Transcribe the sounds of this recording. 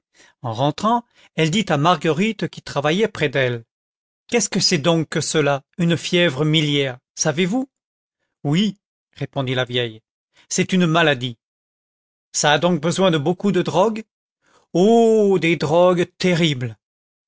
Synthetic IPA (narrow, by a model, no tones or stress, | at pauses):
ɑ̃ʁɑ̃t̪χɑ̃ | ɛld̪it̪amaʁɡəʁit̪kʲit̪χavajɛpχɛd̪ɛl | kʲɛskəsɛd̪ɔ̃kːəsəlaynfjɛvʁəmiljɛʁsavevu | wi | ʁepɔ̃d̪ilavjɛj | sɛt̪ynmalad̪i | saːd̪ɔ̃k̚bəzwɛ̃d̪əbokud̪əd̪ʁɔɡ | od̪ed̪ʁɔɡt̪eʁibl